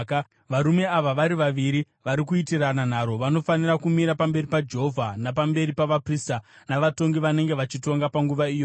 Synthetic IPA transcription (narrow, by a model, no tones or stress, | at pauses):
k | ʋaɾume̞aʋaʋaɾiʋaʋiɾi | ʋaɾik̬uitiranan̤aɾo̞ʋano̞fanirakumiɾapambe̞ɾipad͡ʒe̞ɦovʱanap̬ambe̞ɾipaʋapristanaʋato̞ŋɡiʋane̞ŋɡeʋat͡ʃito̞ŋɡapaŋɡuʋaiːjo